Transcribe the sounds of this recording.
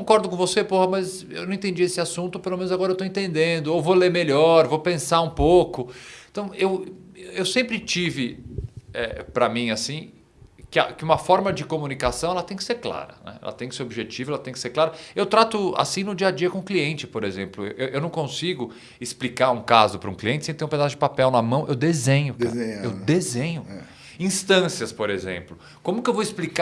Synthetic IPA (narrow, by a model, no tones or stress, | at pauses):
kõkɔɾd̪ʊkõvosepohɐmɐz | ewnɐ̃ẽt̪ẽd͡ʒiesɪasũnt̪ʊpelomẽnʊzaɡɔɾɐewt̪õẽnt̪ẽnd̪ẽnd̪ʊowvoleɾmeʎɔɾvowpẽsaũpokʊẽt̪ɐ̃w̃ewewsẽmpɾɪt͡ʃivɪ | ɛpɾɐmĩasĩ | kɪɐ̰kɪũmɐfɔɾmɐd͡ʒɪkomunikasɐ̃w̃ɛlɐt̪ẽj̃kɪseɾkla̰ɾɐ̰nɛ̰ɛ̰lɐ̰t̪ẽj̃kɪseobiʒet͡ʃivɐɛlɐt̪ẽj̃kɪseɾklaɾɐewt̪ɾat̪ʊa̰sĩnʊd͡ʒiɐd͡ʒiɐkõʊ̃kliẽnt͡ʃɪpoɾezẽmplʊewʔewʔewnɐ̃w̃kõsiɡʊ | ɪsplikaɾũkazʊpɾʊũkliẽntt͡ʃɪsẽt̪ẽɾ̃ũped̪asʊd͡ʒɪpapɛwnɐmɐ̃w̃ʔewd̪ezẽɲʊk̪eḛwd̪ezẽɲʊɛ | ĩst̪ɐ̃siɐspoɾezḛ̃mplʊ | kõmʊkɪewvowɪsplika